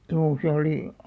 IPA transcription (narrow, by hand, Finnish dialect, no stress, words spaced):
juː se oli